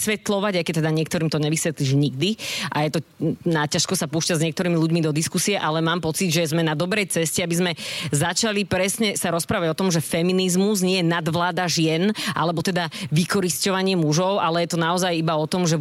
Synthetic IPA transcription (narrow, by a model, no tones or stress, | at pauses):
sʋɛt̪lɔʋaɟajkɛc̚t̪ːɛd̪aɲɪɛkt̪ɔɾiːmt̪ɔɲɛʋisʋɛt̪liʒɲiɡ̚d̪iʔajɛt̪ɔnacaʃkɔsapuːʃcazɲɛkt̪ɔɾiːmiluɟmid̪ɔd̪iskusiɛʔalɛmaːmpɔt͡sid̪ʒɛzmɛnad̪ɔbɾɛjt͡sɛscɛabizmɛzat͡ʃalipɾɛsɲɛsaɾɔspɾaːʋaɟɔt̪ɔmʒɛfɛminizmuzɲɪɛjɛnad̪ʋlaːd̪aʒɪɛnʔa̰lɛbɔt̪ɛd̪aʋikɔɾiscɔʋaɲɪɛmuʒɔʊʔalɛjɛt̪ɔnaɔzajibaɔt̪ɔmʒɛ